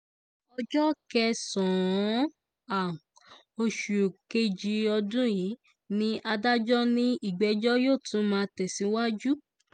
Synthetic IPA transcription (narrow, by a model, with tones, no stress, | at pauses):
ɔ˧d͡ʒɔ˦kɛ˧sɔ̃˨˦ | a˨ | o˧ʃu˨ke˧d͡ʒi˧ɔ˧dũ˦ji˨˦ | nĩ˦ʔa˧da˦d͡ʒɔ˦nĩ˦i˦˨ɡ͡bɛ˨˧d͡ʒɔ˦joː˦˨tũ˨˦mãː˦˧tɛ˨si˨˦wa˦d͡ʒu˦